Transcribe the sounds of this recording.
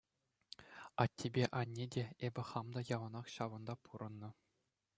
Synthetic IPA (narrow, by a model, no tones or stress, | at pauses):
ɑt̪ʲːebʲeʔɑnʲːedʲeebʲɘ̆χɑmd̪ɑjɑʋɤ̆nɑχɕɑʋɤ̆nd̪ɑpʰuɾʔɤ̆nːɤ̆